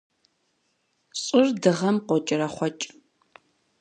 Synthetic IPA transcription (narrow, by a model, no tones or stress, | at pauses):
ɕʼɪrdɨʁɐmqʷɔt͡ʃʼɪrɐχʷɔt͡ʃʼ